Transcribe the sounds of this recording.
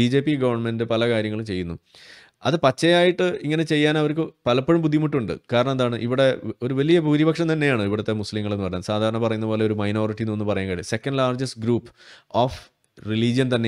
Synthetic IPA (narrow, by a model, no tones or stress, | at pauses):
id͡ʑe̞ːpːiɡɐʋɐrɳme̞ndɨpɐlɐkaːɾjɐŋːɐɭumt͡ɕe̞jːunːu | ɐ̰ðɨpɐt͡ɕːɐjaːjiʈːɨiŋːɐne̞t͡ɕe̞jːaːnɐʋɐɾk̬ɨpɐlɐpːɐɻɐmbud̪ʱːimuʈːuɳɖɨ̰kaːɾɐɳɐmɐðaːɳɨʔiʋiɽe̞oɾuʋɐlijɐpuːɾibɐkʂɐmt̪ɐnːejaːɳɨiʋiɽɐt̪ːemuslimŋːɐɭe̞nːɨpɐrɐjaːnsaːd̪ʱaːɾɐɳɐpɐrɐjunːɐbo̞ːle̞o̞ɾumɐjno̞ːriʈːinoːnːɨpɐrɐjaːnkaːɽise̞kːɐnɖlaːrd͡ʑɐsɡɾuːpːoːf | riliːd͡ʑijɐnt̪ɐnːe